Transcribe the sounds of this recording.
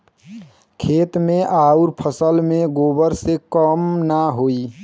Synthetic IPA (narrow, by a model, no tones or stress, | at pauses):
kʰet̪mẽʔauɾpʰəsəlmẽɡobəɾsekəmnaɦoi